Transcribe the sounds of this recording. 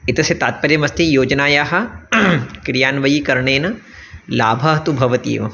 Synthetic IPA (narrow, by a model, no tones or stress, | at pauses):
ɪt̪ɐset̪aːt̪̚pɐɾjɐmɐst̪ʰijoːd͡ʒnaːjaɦɐ̆ | kɾijaːnʋɐjikɐɾɳeːnɐ | laːbʱɐɦɐt̪ubʱɐʋɐt̪ḭːʋɐ